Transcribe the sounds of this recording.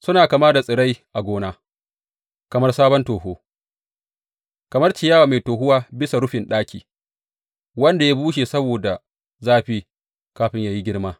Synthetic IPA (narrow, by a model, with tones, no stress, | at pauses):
sʊ˦naː˨kɐ˨maː˦da˨sʼɪ˨ɽa˦jʔa˨ɡʷoː˦naː˦ | kɐ˨mɐ˦rsaː˦bɔ˦ntoː˨ɦoː˦ | kɐ˨mɐ˦rt͡ʃɪ˨jaː˦waː˨ma˨jtoː˨ɦʊ˦waː˦bɪ˦sa˨ɽʊ˦ɸɪ˨nɗaː˦kʲʰḭː˨ | wɐ˦nda˨ja˦buː˦ʃ̬eː˨sɐ˦boː˨da˨ | zaː˦˨ɸi˦ | kaː˦ɸɪ˦ɲjaː˨ji˦ɡʲɪ˦ɽmaː˦